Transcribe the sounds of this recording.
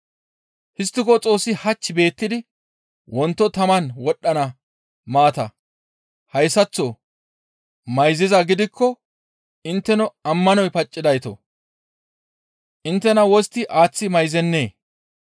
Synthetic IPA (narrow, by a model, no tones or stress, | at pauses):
hɪst̪ːɪkɔt͡sʼo̞ːsːɪhɐt͡ʃːɪbe̞ːt̪ːɪd̪ɪ | wʔɔnt̪ːɔt̪ɐmɐnwɔɗːɐnɐ | maːt̪ɐ | hɐjsːɐt͡sːo | mɐjzɪzɐɡɪd̪ɪkːɔ | ɪnt̪ːɛnɔɐmːɐnɔjpɐt͡ʃʼːɪd̪ɐjt̪ɔ̰ | ʔɪnt̪ːɛnɐwɔst̪ːɪʔaːt͡sːɪmɐjzɛnːe̞ː